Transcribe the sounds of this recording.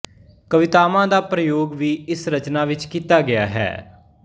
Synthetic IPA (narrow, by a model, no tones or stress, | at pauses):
kəʋɪt̪aːmãːd̪aːpɾəjoːɡʋiːɪsɾət͡ʃnaːʋɪt͡ʃkiːt̪aːɡɪja̰ːɦɛ̰ː